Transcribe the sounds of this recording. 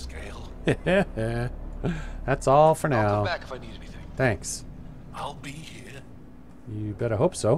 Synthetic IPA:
skeɪlˠ | æjæ | ðætsɔlˠfə˞naʊækɨ̥faɪniɾɛniθɪ̃ŋθæ̃ŋks | aɪlˠbihiɹ | jɨbɛɾəɦoʊpsoʊ

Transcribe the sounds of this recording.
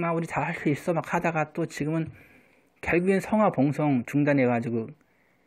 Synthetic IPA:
mauɾitahaɭs͈uis͈ʌmakhʰadaɡat͈ot͡ɕiɡɯmɯn | keɭɡuensʰʌŋɦwapoŋsʰoŋt͡ɕuŋdanekad͡ʑiɡo

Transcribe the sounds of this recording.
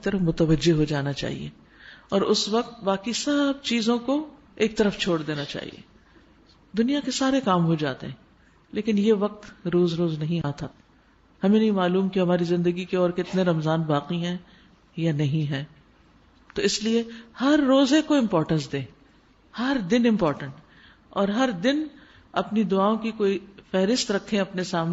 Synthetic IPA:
ɪk̚t̪ɐɾəfmʊt̪əʋəd͡ʒːeɦod͡ʒaːnat͡ʃa̰ːɦḭḛː | ɔːɾʊsʋɐq̚t̪baːkisɐb̚t͡ʃiːzõko | eːk̚t̪ɐɾəft͡ʃʰoːɽd̪eːnat͡ʃa̰ːɦḭḛː | d̪ʊnijakesaːɾekaːmɦod͡ʒa̰ːt̪ḛɦɛ̃ː | leːkɪnjeʋɐq̚t̪ɾoːzɾoːznɐɦĩaːt̪ʰa | hɐmẽnɐɦĩmaːluːmkeɦɐmaːɾizɪ̃nd̪əɡikeɔːɾkɪt̪neɾɐmzaːnbaːqiɦɛ̃ | janɐɦĩɦɛ̃ː | t̪oɪsliehɐɾːoːzekoɪ̃mpɔːɾʈə̃nsd̪ẽː | hɐɾd̪ɪnɪ̃mpɔːɾʈə̃ɳʈ | ɔːɾɦɐɾd̪ɪn | ɐ̰pnid̪ʊaːõkikoːifɛɦɾɪst̪ɾɐkʰːẽɐpnesaːm

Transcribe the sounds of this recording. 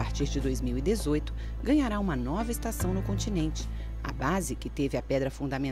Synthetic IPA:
aɾt͡ʃiɾd͡ʒɪd̪ojzmiwid̪ezojt̪ʊ̥ | ɡɐ̃ɲaɾaũmɐnɔvɐɪst̪asɐ̃w̃nʊkõt͡ʃinẽnt͡ʃɪ̥ | a̰bazɪkɪt̪evɪapɛd̪ɾɐfũd̪ɐmẽ

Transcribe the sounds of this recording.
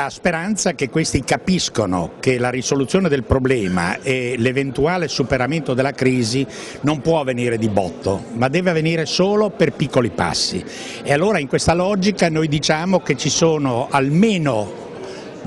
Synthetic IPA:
laspeɾant̪sakekːwest̪ikapiskono̰kelaɾisolut̪sːjoːned̪elpɾoblɛːma̰ʔelevent̪uaːlesupeɾament̪od̪elːakɾiːzi | nompwɔavːeniːɾed̪ibɔ̰t̪ːo̰mad̪ːɛːveaveniːɾesoːloperpikːolipa̰sːḭ | ealːoːɾaiŋkwest̪alɔːd͡ʒikanojd̪it͡ʃaːmoket͡ʃisoːnoalmeːno

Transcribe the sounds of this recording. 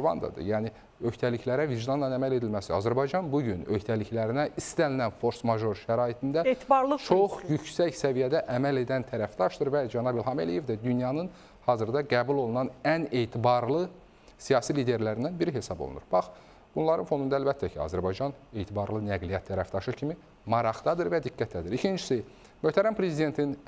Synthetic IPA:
vɑ̰nd̪ɑ̰d̪ɯ̰jæːni | ø̞çt̪ʰæliçlæɾæviʒd̪ɑnlɑnæmæle̞d̪ilmæsiɑ̰zæɾbɑjd͡ʒɑnbuɟynø̞çt̪ʰæliçlæɾinæʔist̪ælinænfo̞ɾsmɑʒo̞ɾʃæɾɑːjit̪ʰind̪æet̪bɑɾlˠɯt͡ʃʰo̞χjycsæçsævijæd̪æʔæmæle̞d̪ænt̪ʰæɾæfd̪ɑʃd̪ɯɾvæd͡ʒɑnɑbilˠɦɑmelije̞vd̪æd̪ynjɑnɯn | hɑːzɯɾd̪ɑɡæːbulˠo̞lˠunɑnæne̞jt̪ʰibɑɾlˠɯ | sijɑːsiliːd̪e̞ɾlæɾind̪ænbiɾiɦe̞sɑbo̰lˠṵnuɾbɑχ | b̥unlˠɑɾɯnfod̪und̪ɑælbæt̪ʰːæcʰiɑ̰zæɾbɑjd͡ʒɑnejt̪ʰibɑɾlˠɯnæɡlijɑt̪ːʰæɾæft̪ɑʃɯcʰimi | mɑɾɑχd̪ɑd̪ɯɾvæd̪ikːæt̪ʰd̪æd̪iɾicʰind͡ʒi̥si | møht̪ʰæɾæmpʰɾe̞zid̪e̞nt̪ʰin

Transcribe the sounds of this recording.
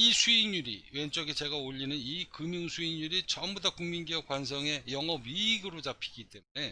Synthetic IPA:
isʰuinuɾḭɥe̞nt͡ɕ͈ʌɡit͡ɕe̞ɡaoʎːinɯnikɯmjuŋsʰuinːuɾit͡ɕʌmbudakuŋminɡiʌkwansʰʌŋe̞jʌŋʌbɥiːɡɯɾot͡ɕapʰi̥ɡit͈e̞mune̞

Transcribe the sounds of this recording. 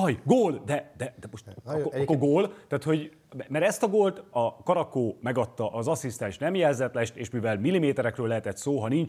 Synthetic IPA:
ɒjɡoːld̪ɛd̪ɛd̪ɛmoʃt̪kokːorɡoːlt̪æːt̪ho̞ɟ | ɛmɛɾɛst̪ɒɡoːlt̪ɒkɒɾɒkoːmɛɡɒt̪ːɒʔɒzɒsist̪ɛ̃nʃnɛmjɛlzɛt̪lɛʃt̪eːʃmivɛlmilːimeːt̪ɛɾɛkrøːlːɛɦɛt̪ɛt̪soːɦɒnint͡ʃ

